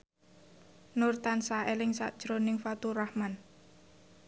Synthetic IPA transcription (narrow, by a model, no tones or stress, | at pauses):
nʊrt̪ansaelɪŋsa̰ʔd̥ʒ̥ɾonɪŋfat̪urahman